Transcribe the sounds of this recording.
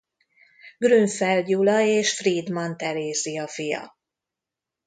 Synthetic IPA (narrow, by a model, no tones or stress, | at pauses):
ɡryɱfɛlɟulɒeːʃfrid̪mɒnt̪ɛɾeːziɒfijɒ̰